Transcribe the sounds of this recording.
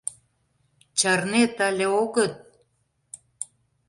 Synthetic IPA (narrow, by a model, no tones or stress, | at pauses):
t͡ɕɑrnet̪alʲĕoɣə̆t̪̚